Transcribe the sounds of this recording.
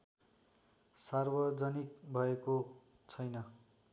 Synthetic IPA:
sarbʌd͡zʌnik̚bʱʌeko | t͡sʰʌjnʌ

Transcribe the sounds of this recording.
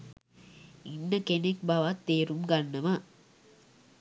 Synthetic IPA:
inːɐkenekbɐʋat̪ːeːɾumɡɐnːɐma

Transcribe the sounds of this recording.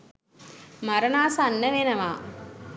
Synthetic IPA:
maɾənaːsanːəʋenəʋaː

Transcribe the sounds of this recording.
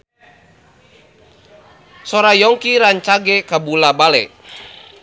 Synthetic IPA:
sɔɾajɔŋkiɾaɲt͡ʃaɡɛkabulabalɛ

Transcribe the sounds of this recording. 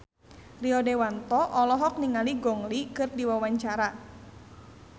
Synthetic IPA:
riɔdewant̪ɔʔɔlɔɦɔk̚niŋaliɡɔŋlikɨrdiwawaɲt͡ʃaɾa

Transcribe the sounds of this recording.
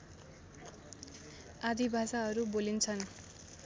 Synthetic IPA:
ad̪ibʱasaɦʌɾubolint͡sʰʌn

